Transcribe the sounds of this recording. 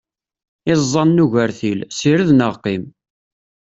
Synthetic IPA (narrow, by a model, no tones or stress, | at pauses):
ɪzˤɑnːuʝəɾθilsiɾðnəʁqim